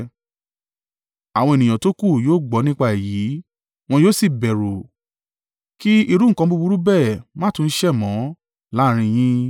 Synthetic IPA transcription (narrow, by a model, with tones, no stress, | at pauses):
a˨w̃ɔ̃˧e˨nĩ˨j̃ã˨to˦ku˦˨joː˦˨ɡ͡bɔ˨˦nĩ˦k͡pa˦˨ji˨˦ | w̃ɔ̃˧joː˦si˦˨bɛ˨ɾo˨ | ki˦i˧ɾu˦ŋ̩˦˨kã˧˦bu˦˧bu˧ɾu˦bɛ˦˨mã˦tũ˧n̩˦ʃɛ˦˨mɔ̃˨˦ | la˦ɾ̃ĩ˧j̃ĩ˦